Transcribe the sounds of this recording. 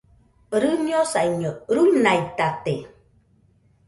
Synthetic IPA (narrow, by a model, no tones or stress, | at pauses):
əɾɯnjosaiɲəɾunajtate